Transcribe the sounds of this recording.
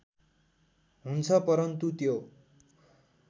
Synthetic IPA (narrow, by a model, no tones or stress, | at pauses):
ɦunt͡sʰʌpʌɾʌnt̪ut̪jo